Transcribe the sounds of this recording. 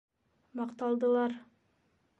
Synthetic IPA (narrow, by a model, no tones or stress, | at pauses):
mɑqt̪ɑlˠd̪ɤ̆lˠɑɾ